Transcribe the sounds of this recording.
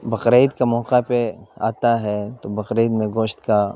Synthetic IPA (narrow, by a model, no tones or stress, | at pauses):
bɐqɾeːd̪kamɔːqapea̰ːt̪aɦɛt̪obɐqɾeːd̪mẽɡoːʃt̪ka